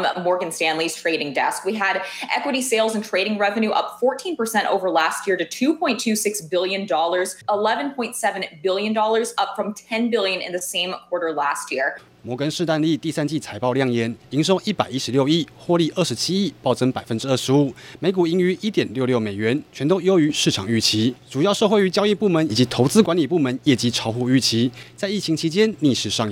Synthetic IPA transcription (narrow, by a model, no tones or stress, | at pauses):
mɔɹɡɨ̃nstæ̃nliz̥tʰɹ̥eɪɾɪ̃ŋdɛskwiɨɾʔɛ̰kwəɾiseɪlˠzə̃n̩tʰɹ̥eɪɾɪ̃ŋɹɛvɨ̃nʉʔʌ̰pfɔɹtʰĩnpə˞sɛ̃ñtʔo̰ʊvə˞læst̚jɪɹɾɨtʰʉppʰɔ̃ɪ̃ntʰʉsɪksb̥ɪlˠjɨ̃ndɔlˠə˞zəlɛvɨ̃npʰɔ̃ɪ̃ntsɛvɨ̃nbɪlˠjɨ̃ndɔlˠə˞zʌpfɹʌ̃mtʰɛ̃nbɪlˠjɨ̃nɨ̰̃nðɨsẽɪ̃mkʰw̥ɔɹɾə˞læst̚jɪɹ | mwɔkənʂɻ̩t̪anlit̪isant͡ɕit͡sʰaɪpɑʊljɑŋjɛniŋʂoʊʔipaɪiʂɻ̩ljoʊixwɔliʔəʂɻ̩t͡ɕʰiipɑʊʈ͡ʂəŋpaɪfənʈ͡ʂɻ̩əʂɻ̩umeɪk̬uiŋyʔit̪jɛnljoʊljomeɪɥɛnt͡ɕʰɥɛnt̪oʊjoʊyʂɻ̩ʈ͡ʂʰɑŋyt͡ɕʰiʈ͡ʂujɑʊʂɤxweɪyt͡ɕjɑʊipumənit͡ɕit̪ʰoʊt͡sɹ̩kwanlipumənjɛt͡ɕiʈ͡ʂʰɑʊxuyt͡ɕʰit͡saɪit͡ɕʰiŋt͡ɕʰit͡ɕjɛnniʂɻ̩ʂɑŋ